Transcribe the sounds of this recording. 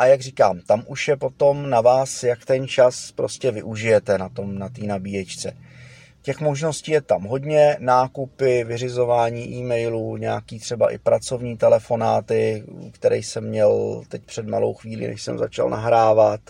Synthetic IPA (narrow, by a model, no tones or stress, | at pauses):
ʔajaɡriːkaːmt̪amʔuʃjɛpo̞t̪o̞mnavaːsjakt̪ɛnt͡ʃaspɾoscɛvɪʔuʒɪjɛt̪ɛnat̪o̞mnat̪iːnabiːjɛt͡ʃt͡sɛ | cɛxmo̞ʒno̞sciːjɛt̪amɦo̞dɲɛnaːkupɪvɪrɪzo̞vaːɲiːʔiːmɛjluːɲɛakiːt̪r̥ɛbaʔɪ̰pɾat͡so̞vɲiːt̪ɛlɛfo̞na̰ːt̪ɪkt̪ɛɾɛjsɛmːɲɛlt̪ɛcpr̥ɛd̪ma̰lo̰wxviːlḭnɛ̰ʃsɛmza̰t͡ʃa̰lna̰ɦɾaːvat̪